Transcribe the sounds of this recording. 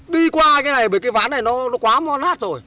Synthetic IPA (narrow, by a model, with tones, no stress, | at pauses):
ɗi˧kwaː˧kaː˨˦jna˨˩jɓəː˧˩jkaː˨˦jva̰ː˨˦nːa˨˩jnɔ˨˦nɔ˨˦kwaː˨˦mɔ˧nlaː˦˥t̚zo˨˩j